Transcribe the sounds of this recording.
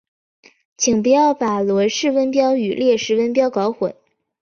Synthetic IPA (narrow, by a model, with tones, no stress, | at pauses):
t͡ɕʰi˨˩ŋp̬u˧˥jɑ˥˩ʊpa˨˩lwɔ˧˥ʂɻ̩˥˧wə˥npjɑ˥ʊy˨˩ljɛ˥˧ʂɻ̩˥˩wə˥npjɑ˥ʊkɑ˧˥ʊxwə̰˨˩˦n